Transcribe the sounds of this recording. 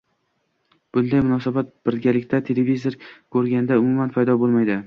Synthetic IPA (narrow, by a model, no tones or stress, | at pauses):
b̥ʊnd̪ajmʊnɒsabat̪̚b̥ɪɾɡʲalɪkʲt̪ʰat̪ʰe̞levizoɾkʰɵɾɡʲand̪aʊmʊmanpʰajd̪ɒbolˠmajd̪ɪ